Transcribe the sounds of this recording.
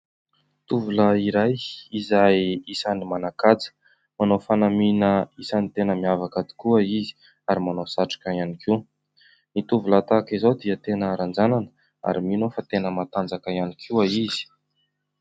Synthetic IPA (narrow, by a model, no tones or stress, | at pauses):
t̪uvuləiɾajizajisanimanakat͡sə̥ | manofanaminəisanit̪enəmiavakad̪i̥kuəizi̥ | aɾimanosaʈ͡ʂḁkaianikʰi | nit̪uvulat̪akizowd̪iət̪enəɾand͡zananə̥ | a̰ɾiminofat̪enəmat̪and͡zakaianikʰiwaiz̥i̥